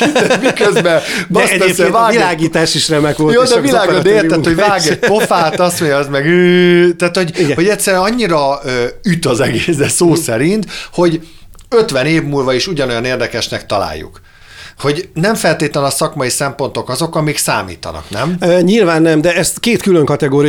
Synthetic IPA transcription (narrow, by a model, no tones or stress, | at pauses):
imikøzbɛbsɛɛɛvaːɡilaːɡiːt̪aːʃiʃrɛmɛɡojoːd̪ɛvillaːɡod̪ɛeːrɛhoɟvaːɡɛɟ̚ppo̞faːt̪ɒst̪moɲɒɛzmɛɡyːt̪aːt̪ho̞ɟiɡɛho̞ɟɛt̪ʲsɛɾɛnɒɲːiɾɒyt̪ɒzɛɡeːsd̪ɛsoːsɛɾint̪ho̞ɟ | øt̪ʋɛneːvmuːlvɒiʃuɟɒno̞jɒneːrd̪ɛkɛʃnɛkt̪ɒla̰ːjːṵk | ho̞ɟnɛɱfɛlt̪eːt̪lɛnɒsɒkmɒjisɛmpo̞nt̪o̞kɒzo̞kɒmiksa̰ːmḭːt̪ɒ̰nɒ̰knɛmɲilvaːnːɛmd̪ɛɛst̪keːt̪kyløŋkɒt̪ɛɡoːɾi